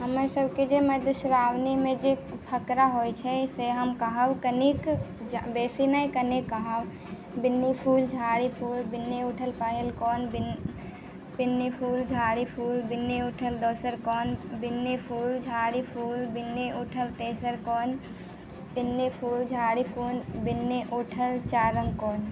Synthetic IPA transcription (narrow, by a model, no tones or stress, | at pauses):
ɦəməɾsəbked͡ʒeməd̪usɾawnimed͡ʒepʰəkɾaɦojt͡ʃʰɛseɦəmkəɦəbkənik | d͡ʒbesinəjkənikːəɦəb | binːipʰuld͡ʒʱaɾipʰulbinːiuʈʰəlpəɦelkɔnbin | binːipʰuld͡ʒʱaɾipʰulbinːeuʈʰəld̪osəɾkɔnbinːepʰuld͡ʒʱaɾipʰulbinːeuʈʰəlt̪esəɾkɔn | binːepʰuld͡ʒʱaɾipʰunbinːeʔuʈʰəlt͡ʃaɾəŋkɔn